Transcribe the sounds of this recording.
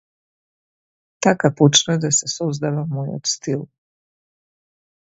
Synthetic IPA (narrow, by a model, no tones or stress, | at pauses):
t̪akaput͡ʃnad̪asesuzd̪aʋamojo̰t̪st̪ilu